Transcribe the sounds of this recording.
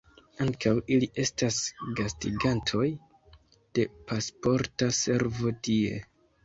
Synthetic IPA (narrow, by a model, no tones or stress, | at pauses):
aŋkawiliʔe̞stasɡastiɡantʰo̞j | d̥e̞pʰaspo̞ɾtase̞ɾvo̞tie̞̰